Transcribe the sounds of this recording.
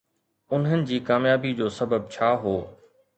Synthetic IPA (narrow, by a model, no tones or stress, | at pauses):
ʊnɦənɪ̆d͡ʑiːkaːmjaːbid͡ʑoːsɐbəb̚t͡ɕʰaːɦoː